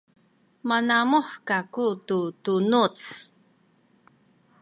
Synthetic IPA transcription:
manamuħkakututunut͡s

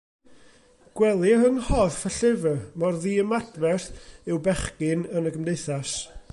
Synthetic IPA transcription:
ɡ̥wɛlˠiəŋhɔfəɬɪvəmɔrðiːəmadvɛrθɪwbɛχɡɪnənəɡəmdejθas

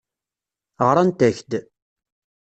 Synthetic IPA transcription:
ʁɾˤant̪æçd̪

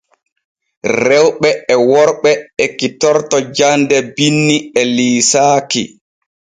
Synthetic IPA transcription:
rɛwɓɛɛwɔɾɓɛɛkitɔɾtɔd͡ʒandɛbinːiɛliːsaːkḭ

